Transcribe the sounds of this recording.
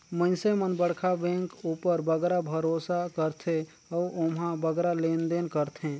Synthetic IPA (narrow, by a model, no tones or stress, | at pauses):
mə̃nsemənbəɽkʰabẽŋkupəɾbəɡɾabʱəɾosakəɾt̪ʰe | ɔuomɦãbəɡɾalend̪enkəɾt̪ʰẽ